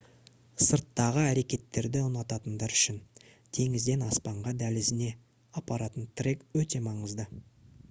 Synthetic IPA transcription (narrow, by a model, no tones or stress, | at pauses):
səɾt̪ːɑʁəæɾe̞kʲe̞t̪ːe̞ɾd̪ɪʊnɑt̪ɑt̪ənd̪ɑɾʏ̥ʃɪn | t̪ʰe̞ŋɪzd̪e̞nɑspɑɴʁɑd̪ælɪzɪne̞ | ɑpɑɾɑt̪ənt̪ʰrekwɵt̪e̞mɑɴəzd̪ə